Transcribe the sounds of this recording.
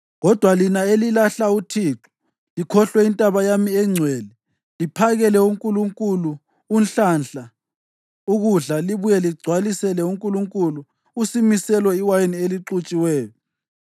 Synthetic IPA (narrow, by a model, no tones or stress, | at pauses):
ɣɔd̥ʱwalinaelilaɬautʰiːǁu̥ | likʰɔɬwɛintʼaβajamiɛŋ͡ǀʱwɛːlɛ | lipʰaɣɛlɛuŋkʼuluŋkʼulu | unɬanɬa | uɣuɮaliβujɛliɡ͡ǀʱwalisɛlɛuŋkʼuluŋkʼuluː | simisɛlwɛiwajenieliǁut͡ʃʼiwɛːjɔ